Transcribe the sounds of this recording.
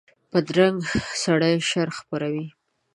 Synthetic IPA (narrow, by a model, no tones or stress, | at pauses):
pəd̪ɾaŋɡsaɽajʃaɾxpaɾawi